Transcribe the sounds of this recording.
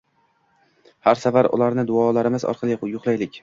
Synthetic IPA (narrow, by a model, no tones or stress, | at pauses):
haɾsavaɾʊ̰laɾnɪd̪ʊɒlaɾɪmɪzɒ̰ɾqʰɑlˠɪjʊχlˠajlɪkʲ